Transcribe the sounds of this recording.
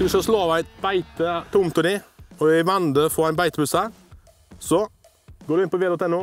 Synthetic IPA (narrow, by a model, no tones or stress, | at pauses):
d̪ɪskɑsloːʋæɪbæɪt̪ət̪ʰʊmt̪ʰʊɾɪɔɪʋɛnd̪əfɔæɪnbæɪt̪əbʉsə | sɔ | ɡoːɖʉɪnpɔʋeːɾoːt̪ɛnːʊ